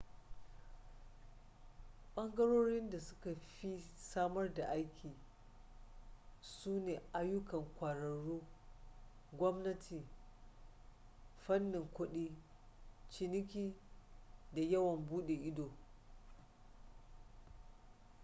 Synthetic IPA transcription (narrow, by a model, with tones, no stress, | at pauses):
ɓɐ˦ŋɡɐ˦ɽoː˦ɽɪ˦nda˨sʊ̥˦ka˨ɸi˦saː˦mɐ˦rda˨ʔa˦jkʲʰiː˨ | suː˦neː˨ʔa˦jʊ˦kɐ˨ŋkʷaː˨ɽɐ˨ɽuː˦ | ɡʷɔ˦mnɐ˦tʰi˨ | ɸɐ˦nːɪ˨ŋkʷʊ˦ɗiː˦ | t͡ʃɪ˦nɪ˦kʲiː˦ | da˨jɐ˦wɐ˨mbuː˦ɗe˨ʔɪ˦doː˨